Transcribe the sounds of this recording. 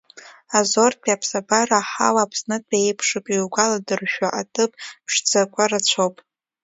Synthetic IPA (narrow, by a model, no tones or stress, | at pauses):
azor̚pʰʼapʰsabaraħa̰waːpʰsnɨtʰejpʰʂɨpʼiwɡʷaladɨrʃᶣaʔatʼɨpʼpʰʂd͡zakʷʰʼarat͡ɕʷʰowpʼ